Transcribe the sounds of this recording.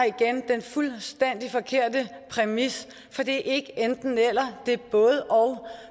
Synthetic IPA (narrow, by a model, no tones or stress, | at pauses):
iɡ̥end̥enfulsd̥en̰d̥ifɒ̽kʰe̝ɐ̰d̥ə | pʰʁɛmis | fɒ̽d̥e̝ʔe̝ɡ̥əend̥n̩el̰ɐd̥e̝b̥ɔ̽ːð̞ˠəʔɒʊ